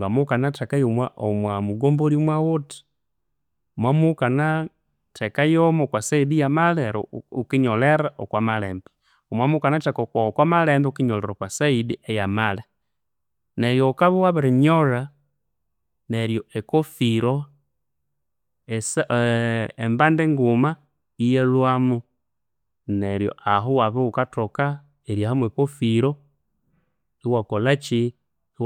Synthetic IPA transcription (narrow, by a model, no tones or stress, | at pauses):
ŋɡamukanatɛkajomwaʔɔmwamuɡɔmboɾimwawoti̥ | ɔmwamukana | tɛkajɔmɔkwasaidijamalɛɾ̰ukiɲɔlɛɾaʔɔkwamalɛːmbɛ | ɔmwamukanatɛkɔkwakwamalɛmbɛukiɲɔlɛɾɔkwasaidiɛjamalɛ | nɛɾjɔkaβuwaβiɾiɲɔɾa | nɛɾjɔʔɛkɔfiɾɔ | ɛs | ɛmbandɛŋɡuma | ijɛlwamu | nɛɾjɔ̰ʔaɦuwaβiukatɔka | ɛɾjahamwɛkɔfiɾɔ | iwakɔlat͡ʃi